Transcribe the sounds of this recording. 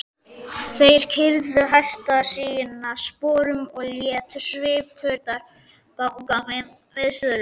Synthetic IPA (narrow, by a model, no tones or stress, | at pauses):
θejɾ̥cʰɪɾðʏɦajft̪asiːjɪnːaðspɔːɾʏmɔɣljɛːt̪ʏsvɪːpfœɾt̪aɾ | kakkamen | vɪðsʏðʏlʏ